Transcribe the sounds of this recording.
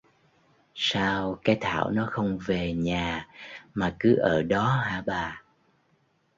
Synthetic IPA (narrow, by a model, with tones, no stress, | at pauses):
saː˧wkaː˨˦jt̪ʰa̰ː˧˩˨wnɔ˨˦xə˧wŋ͡mve˨˩ɲaː˨˩maː˨˩kɨ˨˦ʔəː˧˩ɗɔ˨˦ɦaː˧˩ɓaː˨˩